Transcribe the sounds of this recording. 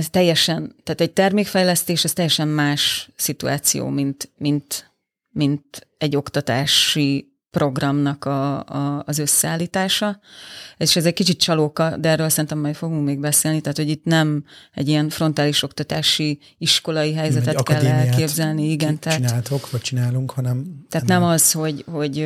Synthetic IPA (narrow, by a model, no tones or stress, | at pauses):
ɛst̪ɛjːɛʃɛnt̪aːt̪ɛɟ̚t̪ɛrmeːkfɛjlɛst̪eːʃɛst̪ɛjːɛʃɛmːaːʃsit̪ua̰ːt̪sḭjo̰ːmint̪mint̪ | mint̪ɛɟːo̞kt̪ɒt̪aːʃi | pro̞ɡrɒmnɒkɒː | zøsːɛaːlːiːt̪aːʃɒ | eʃɛzɛc̚kit͡ʃit̪̚t͡ʃɒlokɒd̪ɛɛrøːlsɛɾint̪ɛmːɛjfo̞ɡuŋkmeːɡbɛseːlnit̪ɛːt̪ho̞ɟit̪nɛmɛ̰ɟijɛɱfro̞nt̪aːliʃo̞kt̪ɒt̪aːʃi | iʃko̞lɒiɦɛjzɛt̪ɛkɛlːɛlkeːbzɛlniiɡɛnt̪ainaːlt̪okʋɔc̚t͡ʃinaːluŋkhɒnɛmt̪ɛːtt̪nɛmɒzho̞ɟho̞ɟ